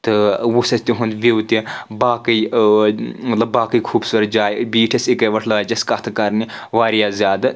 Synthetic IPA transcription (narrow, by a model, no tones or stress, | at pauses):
t̪ɨʋusɐst̪ʲiɦund̪ʋiwt̪ʲibaːkɐj | mɐt̪lɐbːaːkɐjkʰuːbsuɾɐt̪d͡ʒaːjbiːʈʰɐsikɐʋɐʈʰlɐʋaːd͡ʒɐskɐt̪ʰɨkɐɾniʋaːɾijaːzjaːd̪ɨ